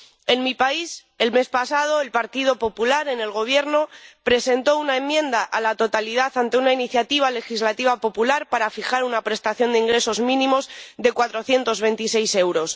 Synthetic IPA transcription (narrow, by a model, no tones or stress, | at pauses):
e̞nmipais | e̞lme̞spasað̞o̞e̞lpaɾt̪ið̞o̞po̞pulaɾe̞ne̞lɣ̞o̞β̞je̞ɾno̞pɾe̞se̞nt̪o̞unae̞mːjẽ̞nd̪aʔalat̪o̞t̪aliðaθant̪e̞unainiθjat̪iβ̞ale̞xizlat̪iβ̞apo̞pulaɾpaɾafixaɾunapɾe̞st̪aθjo̞nd̪eiŋɡɾe̞so̞zmĩnĩmo̞zðe̞kwat̪ɾo̞θje̞nt̪o̞zβ̞e̞nt̪isejse̞wɾo̞s